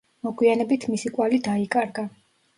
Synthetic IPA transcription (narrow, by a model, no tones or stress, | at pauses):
mɔɡwianɛbit̪ʰmisikʼwalid̪aikʼaɾɡa